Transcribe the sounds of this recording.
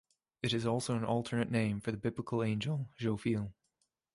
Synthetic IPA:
ɨɾɨzɔlˠsoʊə̃nʔɔlˠtʰə˞nɨʔnẽɪ̃ɱfə˞ðəbɪbləkʰl̩ˠẽɪ̃nd͡ʒəl̩ˠʒ̥oʊfilˠ

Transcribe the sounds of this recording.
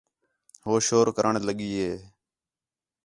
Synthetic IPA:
ɦoːʃoːɾkəɾʔəɳləɠiːɦeː

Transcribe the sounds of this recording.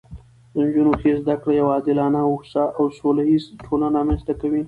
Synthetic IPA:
d̪ənd͡ʒunoxezd̪akɽajawɑːd̪ɪlɑnaʊxsaʔawsolajizʈʰolanamanst̪akawi

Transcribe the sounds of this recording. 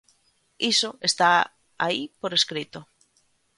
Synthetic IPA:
isoest̪a | aipoɾeskɾit̪o

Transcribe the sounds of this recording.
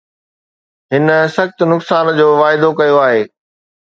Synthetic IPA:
ɦɪnə̆sɐxt̪ʊnʊksaːnd͡ʑoːʋaːɪd̪okɐjoaːɦeː

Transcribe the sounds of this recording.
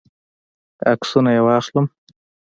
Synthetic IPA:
a̰ksunajewɑxləm

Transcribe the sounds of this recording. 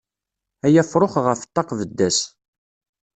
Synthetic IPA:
æjæfɾˤoχʁəfə̥t̪ˤːɑqvəd̪ːæs

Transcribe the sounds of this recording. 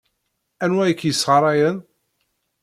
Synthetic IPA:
ænwæjəkːjəsːʁəɾˤɑjən

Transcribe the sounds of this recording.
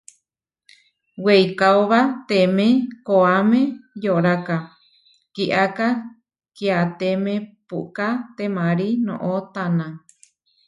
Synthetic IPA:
wejkaoβat̪emẽkoamẽjoɾaka | kiʔaka | kiat̪emẽpṵʔkat̪emãɾinõ̰ʔot̪anã

